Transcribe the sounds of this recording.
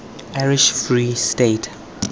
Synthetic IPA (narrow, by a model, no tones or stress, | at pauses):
aɹiʃfɹistet